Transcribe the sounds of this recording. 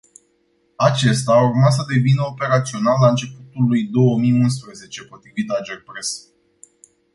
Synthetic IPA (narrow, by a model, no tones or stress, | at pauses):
at͡ʃe̞st̪aːurmas̬əd̪e̞vinəo̞pe̞ɾat̪sio̞nalːaɨnt͡ʃe̞put̪ulːujd̪o̞wəmijuns̬pɾəze̞t͡ʃe̞po̞t̪ɾivit̪ad͡ʒerpɾes